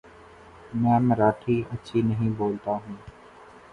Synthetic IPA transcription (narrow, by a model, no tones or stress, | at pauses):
mɛ̃ːmɾaːʈʰiɐtːʃʰinɐɦĩboːlt̪aɦũː